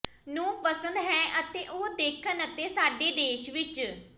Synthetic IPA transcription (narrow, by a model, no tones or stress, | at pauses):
nũːpəsə̃nd̪ɦɛːʔət̪eːʔoːd̪eːkʰənət̪eːsaːɖeːd̪eːʃʋɪt͡ʃ